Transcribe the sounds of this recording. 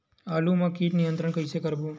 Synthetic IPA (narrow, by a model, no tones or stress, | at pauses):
aːlumãkiːʈnijənt̪ɾəɳkəisekəɾbũ